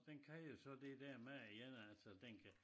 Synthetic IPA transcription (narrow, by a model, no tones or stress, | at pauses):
d̥enkʰæjo̝sɒ̽d̥e̝d̥æɐmejenælsəd̥enkʰæ